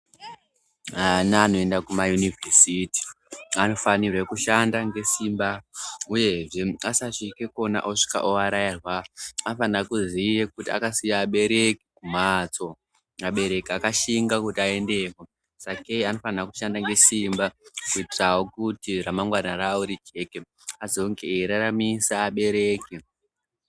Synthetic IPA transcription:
anaːno̞e̞ndakumajunivʱersiti̥ | ano̞fanirwekuʃandaŋɡe̞simbauje̞ʐe̞asaʂikeko̞na̰ʔoʂi̥ka̰ʔoaɾairwaanofanirakuzijekutia̰kasijaːɓe̞ɾe̞kiumat͡so̞ | aɓe̞ɾe̞kiakaʃiŋɡakutiae̞nde̞ko | sakeano̞fanraku̥ʃandaŋɡe̞simbakuitirawo̞kutiramaŋɡwanarauɾid͡ʒe̞ke | ad͡zo̞ŋɡeɾaramisaːɓe̞ɾe̞ːki

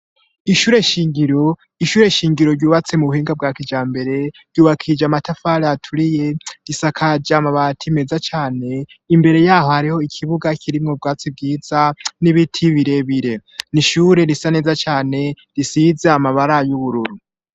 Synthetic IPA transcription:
iʃuːɾe̞ʃiːŋɡiɾo̞ | iʃuːɾe̞ʃiːŋɡiɾo̞ɾɟuːβat͡se̞muβuhiːŋɡabɡaːkid͡ʒaːmbe̞ɾe̞ɾɟuːβakʰid͡ʒamatafaɾeatʰuɾije̞ɾisakʰad͡ʒaːmaβatʰime̞zat͡ʃaːne̞ | imbe̞ɾe̞jaːho̞haɾiho̞ikʰiβuɡakʰiɾimŋob̚ɡaːt͡sib̚ɡiːz̥aniβitʰiβiɾe̞βiɾe̞niʃuɾe̞ɾisane̞ːzat͡ʃaːne̞ | ɾisizeamaβaɾajuβuɾuɾu

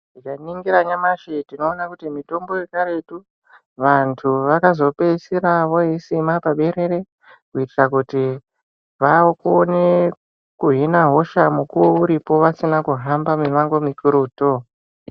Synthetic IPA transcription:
nikaniŋɡiɾaɲamaʃetino̞ːnakutimito̞mbo̞je̞kaɾe̞tu | ʋantʰuʋakazo̞pe̞siɾaʋo̞jisimapaɓe̞ɾe̞ɾe̞ | kuitirakuti | ʋakone | kuɦinaɦo̞ʃamukuwouɾipo̞ʋasinakuɦambameʋaŋɡo̞mikuɾuːto

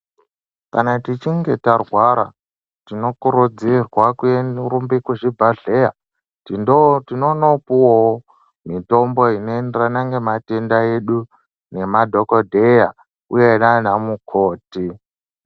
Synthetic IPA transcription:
kanatit͡ʃiŋɡe̞tarwaɾa̰ | tino̞kuɾud͡zirwakuerumbikuʐibʱaɮeja̰ | tiotinonopuwo | mito̞mbo̞inendranaŋɡematendaeɗu | ne̞madʱo̞kodʱe̞ja | ujenanamukʰoːti

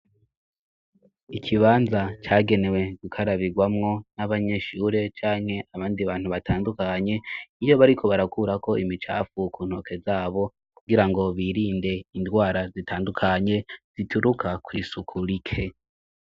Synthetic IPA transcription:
ikʰiβaːnzat͡ʃaːɡe̞ne̞we̞ɡukʰaɾaβiɡwamŋo̞naβaɲe̞ʃuːɾe̞t͡ʃaːŋ̥he̞ʔaβaːndiβaːn̥huβatʰaːndukaɲe̞ijo̞βaɾikʰo̞βaɾakuɾako̞imit͡ʃa̰ːfukʰuːnho̞ke̞zaːβo̞ | kuɡiɾaŋɡo̞βiːɾiːnde̞indɡwaːɾazitaːndukʰaɲe̞z̥itʰuɾukʰakwiːsukʰuɾikʰe̞

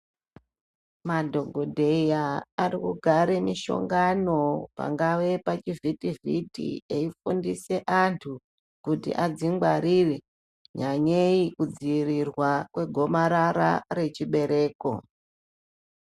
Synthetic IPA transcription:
madʱo̞ɡʱodʱe̞jaːrikuɡʱaɾemiʃo̞̰ŋɡano̞pa̰ŋɡaʋe̞pat͡ʃivʱitivʱitḭeifundise̞ʔantʰu | kutḭʔad͡ziŋɡwaɾiri | ɲaɲeikud͡ziirirwakwe̞ɡʱo̞maɾaɾa̰re̞t͡ʃiɓe̞ɾe̞ːko̞̰

